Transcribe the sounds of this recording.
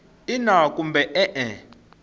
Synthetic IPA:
inakʼumbɛʔɛʔɛ

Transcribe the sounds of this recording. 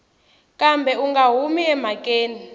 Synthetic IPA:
kʼambʱɛuŋɡaɦumiɛm̤akʼeːni

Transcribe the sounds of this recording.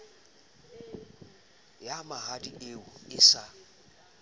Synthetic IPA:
jamaɦadieʊɪsa

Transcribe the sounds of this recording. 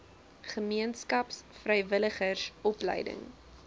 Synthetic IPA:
χəmiənskɐpsfrɛjvələχərsɔplə̰jdə̰ŋ

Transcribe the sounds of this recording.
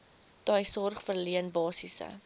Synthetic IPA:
d̥ɑːjsɔrχfərliənbɑːsisə̰

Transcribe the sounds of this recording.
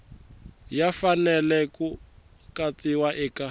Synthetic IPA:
jafanɛlɛku | kat͡siwaʔɛka

